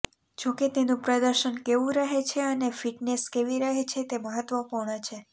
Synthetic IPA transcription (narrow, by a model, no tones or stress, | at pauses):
d͡ʒoket̪enũpɾəd̪əɾʃənkeʋũɾəɦet͡ʃʰeənefiʈneskeʋiɾəɦet͡ʃʰet̪eməɦət̪ʋəpuɾɳət͡ʃʰe